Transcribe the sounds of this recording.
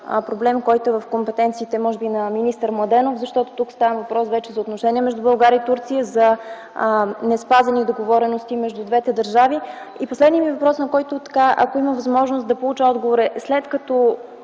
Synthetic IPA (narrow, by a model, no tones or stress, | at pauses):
pɾoblɛmkɔjt̪oɛvɐfkompɛt̪ɛnt̪siːt̪ɛmɔʒɛbinɐminist̪əɾmlˠɐd̪ɛnofzɐʃt̪ɔt̪o̥t̪ukst̪avəmvɐpɾɔsvɛt͡ʃɛzɐoːt̪noʃɛniɛmɛʒd̪ubɐlˠɡaɾʲəit̪uɾt̪sijəzɐ | nɛspazɐnid̪oɡovɔɾɛnost̪imɛʒd̪ud̪vɛt̪ɛd̪ɐɾʒaviiposlɛd̪nimiɛvɐpɾɔsnɐkɔjt̪ot̪ɐ̥kaʔɐ̰koiməvɐzmɔʒnost̪d̪ɐpolˠut͡ʃəɔd̪ɡovoɾɛslɛt̪kɐt̪ɔ